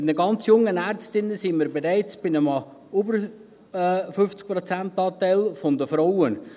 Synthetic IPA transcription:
nəɡɑnt͡sjʊŋːənæɾt͡stɪnːəsɪnmiːɾbeɾæɪt͡sb̥ɪnəmɑ | ybəɾ | fʏft͡sk̚pɾɔt͡sæntɑːtæɪlfɔnd̪əfɾawən

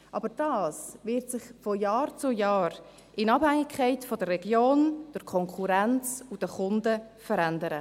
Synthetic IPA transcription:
ʔɑbəɾd̥ɑːsvɪɾtsɪχfɔjɑːɾt͡sʊjɑːɾ | ʔɪnɑbhæŋɪkʰːaɪtfɔdərːɛɡjoːnd̥əɾkʰɔŋkʰuɾant͡sud̥əχʊndə | fəɾandəɾə

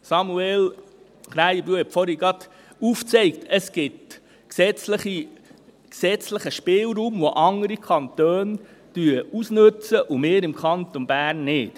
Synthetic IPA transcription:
sɑmuɛl | χɾæjəbɾuəɛpfɔɾiɡɑd̪ | uft͡sɛɪk̚tʰəsɡ̥ɪt | ksɛt͡sləχi | ksɛt͡sləχəʃpɪːlɾuːmʋoʔɑŋəɾikʰɑnt̪øːn | d̥yusnɵt͡səʔumeːɾɪmkʰɑnt̪onb̥æːɾnːɪːt

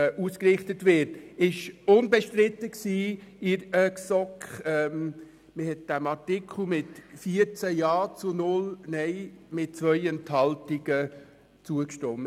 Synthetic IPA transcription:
uːskrɪχtətʋɪɾtɪʃʊnbɛʃtɾɪt̪əksiːɪɾəksɔkχɛm | məhɛt̚d̥æmɑɾtɪkʰl̩ˠmɪtfiəɾt͡sæjɑːt͡sʊnʊlnɛɪmɪt̚t͡sʋœʏɛnthɑltiɡ̥ə | t͡suəkʃtɔmə

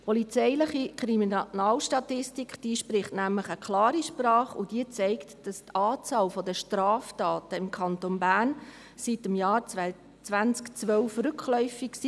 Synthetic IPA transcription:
pʰɔlit͡sɛɪlɪχikɾiminnɑːlʃtɑtɪstikχd̥iːʃpɾɪχtnæmləχəkʰlɑːɾiʃprɑːχʊd̥iət͡sɛɪktd̥ɑst̪ɑːt͡sɑːlfɔdəʃtɾɑːftɑːtəɪmkʰɑntonbæːɾn | sitəmjɑːɾ | t͡sʋænt͡skt͡sʋœlfrʏkʰχlœʏfiksi

